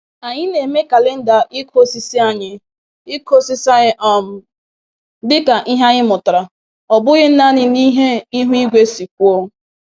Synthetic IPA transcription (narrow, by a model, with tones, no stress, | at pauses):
a˨ɲɪ˦ne˨me˦ka˨le˦n̩˦da˨ʔi˦kʰo˦si˦si˦a˦ɲɪ˨ | i˦kʰo˦si˦sa˦ʔɔ˨m̩˨ | dɪ˦ka˨ʔi˦ɦa˦ɣɪ˦mʊ˨ta˨ɾa˨ | ɔ˨bʊ˦ɣɪ˦n̩˦na˦ɲɪ˦ni˦ɦe˦i˦ɦu˦i˦ɡʷe˦si˨k̚ʷo˦